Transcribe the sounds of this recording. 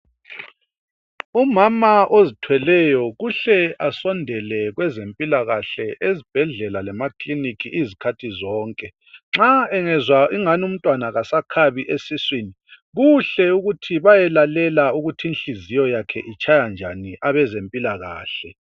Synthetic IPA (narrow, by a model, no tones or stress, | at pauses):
umamaʔozitʰwɛlɛjɔɣuɬɛasɔndʱɛlɛɣwɛzempʼilaɣaɬɛʔezib̥ʱɛɮɛlalɛmaklinikʰiʔizikʰatʰizɔːŋkʼɛ | ŋ͡ǁaɛŋɛzwaʔiŋanum̩tʼwanaɣasakʰaβiʔesiswini | ɣuɬɛuɣutʰiβajɛlalɛlauɣutʰinɬizijɔjakʰɛʔit͡ʃʰʼajand͡ʒʱaniʔaβɛzempʼilaɣa̰ːɬɛ